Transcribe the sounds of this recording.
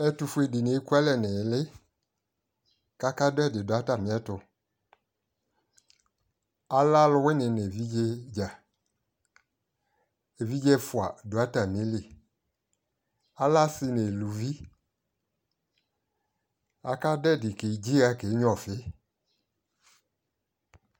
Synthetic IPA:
ɛ˦tu˧fu˦e˨dɪ˨ne˨˦ku˦a˦lɛ˨nɪ˨˦lɪ˦ | ka˧ka˦dɛ˦˨dɪ˨dʊ˨a˦ta˨mɪ˨˦ɛ˦tʊ˧ | a˦la˦lʊ˧wɪ˦nɪ˨ne˨vi˦d͡ʒe˧d͡ʒa˨ | e˨vi˦d͡ʒɛ˧fwa˨dʊ˨a˦ta˨mi˦li˨ | a˦la˦sɪ˧ne˨lu˨vi˦ | a˨ka˦dɛ˦˨dɪ˨ke˨˦d͡ʒi˦a˧ke˨˦ɲ˦ɔ˨fɪ˨˦

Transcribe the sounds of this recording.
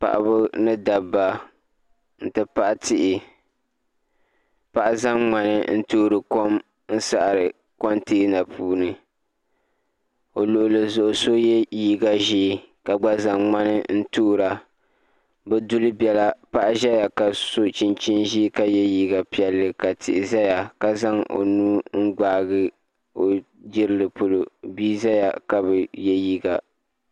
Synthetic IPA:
pa̰˨ʔa̰˨bʊ˦nɨ˦da˨bːa˨ | n̩˨tɨ˦pa˦ʔa˦tɪ˦ʔɪ˨ | pa˨ʔa˦za˦mŋ͡ma˨nɨ̰˦n̩˦tuː˦ɾɨ˨ko˦m | n̩˦sa˦ʔa˨ɾɨ˨ | ko˦nti˦na˨puː˦nɨ˨ | o˨lo˨ʔʊ˨lɨ˨zʊ˨ʔʊ˨so˦jɛ˦jiː˦ɡa˨ʒiː˦ka˨ɡ͡ba˦za˨ŋŋ͡ma˦nɨ˦n̩˦tu˦ɾa˨ | bɛ˦dʊ˦lɨ˦bɛ˨la˦pa˦ʔa˦ʒɛ˦ja˨ka˨so˦t͡ʃi˦nt͡ʃi˦nʒi˦ka˦jɛ˦jiː˦ɡa˨pi˨ɛ˨lːɨ˨ka˨tɪ˨ʔɪ˨za˦ja˨ka˨za˦ŋo̰˨nuː˦ŋ̩˦ɡ͡baː˨ɣɨ˦ | o˨ | d͡ʒɪ˦ɾɨ˦lɨ˨po˨lo˨biː˦za˦ja˨ka˦bɨ˨jɛ˦jiː˦ɡa˨

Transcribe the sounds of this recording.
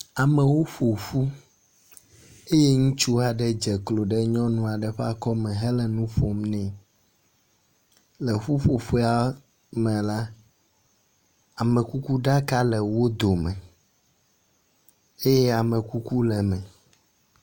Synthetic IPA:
a˨mɛ̃˨wo˦ɸo˨ɸu˦ | e˦je˦ŋũ˦t͡ʃu˦a˨ɖɛ˦d͡ʒɛ˨klo˨ɖɛ˦ɲɔ̃˦nũ˦a˨ɖɛ˨ɸɛ˦a˦˨kɔ˦mɛ̃˨ɦɛ˦lɛ˨nũ˦ɸo˨mnɛ̃˦ | lɛ˨ɸu˦ɸo˨ɸe˦a˨ | mɛ̃˨la˦ | a˨mɛ̃˨ku˦ku˦ɖa˦ka˦lɛ˨wo˦d̪o˨mɛ̃˨ | e˦jɛ˦a˨mɛ̃˨ku˦ku˦lɛ˨mɛ̃˨

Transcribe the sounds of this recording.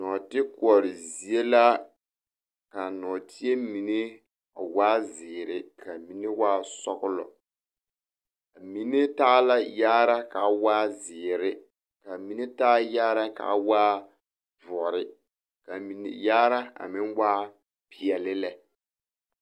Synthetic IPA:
nɔ˨tɪ˦kʊ˨ɔ˨ɾɪ˨zi˨e˦la˦ | ka˨nɔː˨tʰi˦e˦mi˨ne˦ | a̰˨waː˦zɪː˨ɾɪ˦kʰa˨mi˨˦ne˦waː˦sɔ˦ɣʊ˦lɔ̰˨ | a˨mi˨ne˦taː˦la˦jaː˦ɾa˦ka˨˦waː˦zɪː˨ɾɪ˦ | ka˨mi˦ne˦taː˦jaː˦ɾa˦ka̰˨˦waː˦ | vɾɪ˦ | ka˨mi˨nḛ˨jaː˦ɾa˦a̰˨mɪ˦nwaː˦ | pʰɪ˨ɛ˨lɪ˦lɛ˨

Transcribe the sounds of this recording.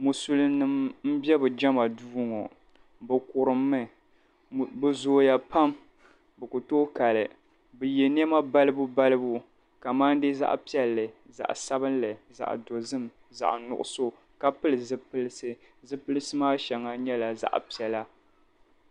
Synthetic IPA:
mu˨su˦lnɨ˨mm̩˦bɛ˦bɨ˨d͡ʒɛ˦ma˨duː˦ŋɔ˨ | bɨ˨kʊ˨ɾɨ˨mːɨ˦˨ | bɨ˨zoː˨ja˨pa˦m | bɨ˨ku˨toː˦ka˨lɨ˨ | bɨ˨je˨n˦ɛ˦ma˦ba˦lɨ˦bu˦ba˦lɨ˦bu˦ | ka˨maː˦ndɨ˦za̰˦ʔpi˦ɛ˦lːɨ˨za̰˨ʔsa˦bɨ˦n˦lɨ˨za̰˨ʔdo˨zɨ˦m | za̰˨ʔnʊ̰˨ʔʊ̰˨so˦ | ka˨pɨ˦lɨ˨zɨ˦pɨ˦lsɨ˦ | zɨ˦pɨ˦lɨ˦sɨ˦maː˦ʃɛ˨ŋa˦ɲɛ˦la˨za̰˨ʔpi˨ɛ˨la˦

